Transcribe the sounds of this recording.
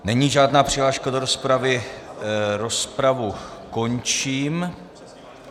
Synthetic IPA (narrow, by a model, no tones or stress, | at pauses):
nɛɲiːʒaːdnaːpr̝̥ɪɦlaːʃkado̞ɾospɾavɪ | ɾo̞spɾavuko̞nt͡ʃiːm